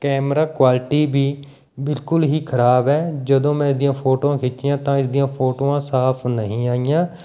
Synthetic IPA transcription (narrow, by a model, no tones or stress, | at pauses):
kɛːmɾaːkwaːlʈiːbiː | bɪlkʊlɦiːkʰəɾaːbɛːd͡ʒəd̪õːmɛ̃ːɪsd̪ijãːpʰoːʈoːãːkʰɪt͡ʃːɪjãːt̪ãːɪsd̪ijãːpʰoːʈoːãːsaːpʰnəɦĩːaːijãː